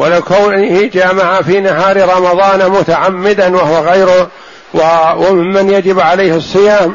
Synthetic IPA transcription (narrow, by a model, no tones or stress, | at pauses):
walakawnɪhɪd͡ʒaːmaʕafiːnaɦɑːɾɾˤɑmɑðˤɑːnmʊt̪aʕamːɪd̪anwahwaɣajɾʊ | wwamɪmːanjad͡ʒɪbʕalajhɨsˤːɨjaːm